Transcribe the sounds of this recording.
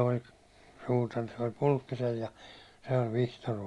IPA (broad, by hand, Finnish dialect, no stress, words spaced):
olʲ suːtɑr se olʲ pulʲkːisel jɑ se olʲ ʋihtor